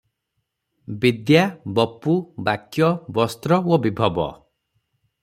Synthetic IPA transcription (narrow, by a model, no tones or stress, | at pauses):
bid̪jabɔpːubakjɔbɔst̪ɾɔwobibʱɔbɔ̰